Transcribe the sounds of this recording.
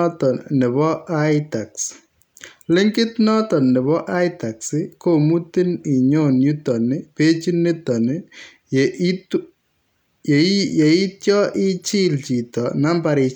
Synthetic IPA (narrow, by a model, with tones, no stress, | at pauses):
tɔ˨nɪ˨βɔ˦ajta˨ks | lɪ˦ŋɡɪ˦tnɔ˦tɔ˨nɛ˨βɔ˦ʔa˦jta˨ksɪ˦ko˦mu˦ti˦ni˨ɲo˨nju˦tɔ˨nɪ˦pe˦t͡ʃi˦nɪ˦tɔ˨nɪ˦ | t | je˨i˦tjɔ˦ʔɪ˦t͡ʃi˦lt͡ʃi˨tɔ˨na˦mba˨ɾi˨